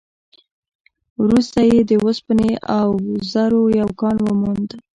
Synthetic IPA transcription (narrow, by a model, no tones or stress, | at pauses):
wɾust̪ajed̪əwəspəneʔawzaɾojawkɑnwəmund̪